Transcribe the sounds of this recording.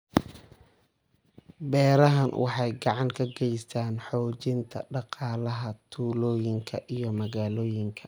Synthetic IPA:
bɛːɾɐɦɐnwʔɑ̰ħɑjɡɑʕɑŋkʰɐɡɛjst̪ʰaːnħɔːt͡ʃɪnt̪ʰɐ̰ɖɑqɑːlɐɦɐt̪ʰuːlɔːjɪŋkʰɐʔijɞmɐɣaːlɔːjɪŋkʰɐ̥

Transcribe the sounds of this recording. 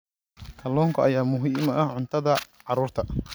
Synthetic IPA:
kʰɐlɔːŋkʰɐʔɐjaːmʊɦiːmɐʔɐhʕʊnt̪ʰɐðɐ | ʕɑɾuːrt̪ʰɐ

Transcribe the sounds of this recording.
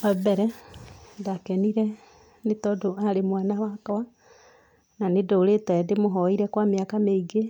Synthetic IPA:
ɔbɛɾɛ | dakɛniɾɛ | netɔdoaɾemwanawakawa | nanedoɾetɛdemoɦɔiɾɛkwamejakameiɡe

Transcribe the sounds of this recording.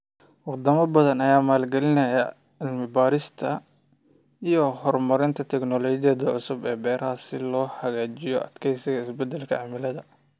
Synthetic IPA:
wɑd̪ɐmɐbɐðɐnɐjaːmaːlɡɛlɪnɐjɐ | ɪlmɪbaːɾɪst̪ʰɐ | ijɔhɔrmɐɾɪnt̪ʰɐt̪ʰɛknɔlɔːt͡ʃɪjɐðɐʕʊsʊbɛːbɛːɾɐaːsɪlɔːħɐɣaːt͡ʃɪjɔʔɐd̪kʰɛjsɪɣɐɪsbɛd̪ɛlkʰɐʕamɪlɐðɐ

